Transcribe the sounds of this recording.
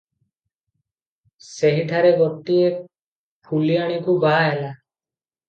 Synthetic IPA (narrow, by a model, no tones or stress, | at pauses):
seɦiʈʰaɾeɡɔʈːie | kʰulijaɽ̃ikubaɦela